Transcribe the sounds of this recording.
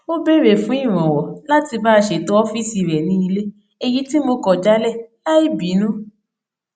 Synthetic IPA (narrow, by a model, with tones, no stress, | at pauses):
o˦be˦˨ɾe˨fũ˦i˦˨ɾ̃ɔ̃˨wɔ˨la˦ti˧baː˦˧ʃe˨to˦ɔ˦fi˦si˧˨ɾɛ˨nĩ˦i˧le˦ | e˧ji˦ti˦mo˧kɔ˨d͡ʒa˦lɛ˦˨la˦i˦˨bi˨˦nũ˦